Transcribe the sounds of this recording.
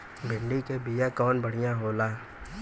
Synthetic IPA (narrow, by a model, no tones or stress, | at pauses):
bʱɪɳɖikebijakɔːnbɐɽ̤ijãɦoːlaː